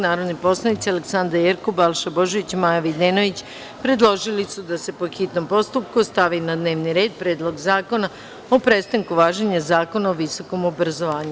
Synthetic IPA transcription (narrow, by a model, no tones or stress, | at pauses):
naːɾo̞d̪nipo̞slˠanit̪sialeksand̪ɾajeɾkobalˠʃabo̞ʒoʋit͡ɕmajaʋid̪eno̞ʋit͡ɕ | pɾe̞d̪lˠo̞ʒilisud̪ase̞po̞xit̪no̞mpo̞st̪up̚kust̪aʋinad̪ne̞ːʋniɾe̞ːd̪̚pɾeːd̪lˠo̞ɡzaːko̞na | opɾe̞st̪aŋkuʋaːʒeɲazaːko̞naoʋiso̞ko̞mobɾazo̞ʋaːɲu